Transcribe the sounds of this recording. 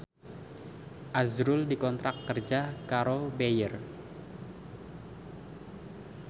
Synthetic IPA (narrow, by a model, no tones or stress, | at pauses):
ʔazɾʊldikɔnt̪ɾakːərd͡ʒakaɾobejər